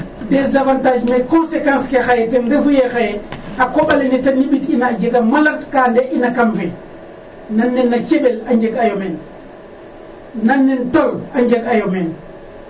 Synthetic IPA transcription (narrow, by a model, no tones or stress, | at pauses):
dɛzavantad͡ʒmekɔnsekãnskexajɛtɛnɾefujexajakoɓalenitanːiɓitinaːd͡ʒeɡamalaɾkaːndɛʔinakamfɛ | nanːɛnːat͡ʃeɓɛlaɲd͡ʒeɡajomɛn | nanːɛntolaɲd͡ʒeɡajomɛn